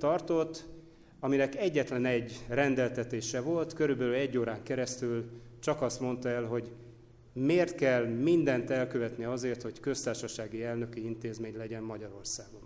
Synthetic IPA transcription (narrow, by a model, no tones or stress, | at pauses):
t̪ɒrt̪o̞t̪ː | ɒminɛkɛɟːɛt̪lɛnɛɟːrɛnd̪ɛlt̪ɛt̪eːʃɛvo̞lt̪kø̞ɾybɛlylɛɟːoːɾaːŋkɛɾɛst̪ylt͡ʃɒkɒst̪mo̞nt̪ɒɛlɦo̞ɟ | meːrt̪kɛlmind̪ɛnt̪ɛlkøvɛt̪niɒzeːrt̪ho̞ckø̞st̪aːrʃɒʃaːɡiɛlnø̞kiint̪eːzmeːɲlɛɟɛmmɒɟɒɾo̞rsaːɡo̞n